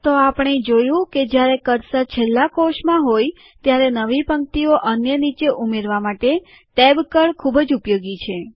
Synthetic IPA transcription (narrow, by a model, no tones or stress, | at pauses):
t̪oapɳ̃ed͡ʒojũked͡ʒjaɾekəɾsat͡ʃʰelːakoʃmãɦoj | t̪jaɾenəʋipəŋk̚t̪ioʔənjənit͡ʃeʔumeɾʋamaʈe | t̪ɛbkəɭkʰubəd͡ʒupjoɡit͡ʃʰe